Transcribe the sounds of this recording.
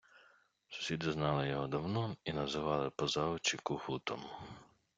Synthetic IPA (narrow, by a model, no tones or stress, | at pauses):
sʊ̥sʲid̪ɪznɑlˠɪjɔɦɔd̪ɐwnɔinɐzɪʋɑlˠɪpɔzɑʊt͡ʃikʊhut̪ɔm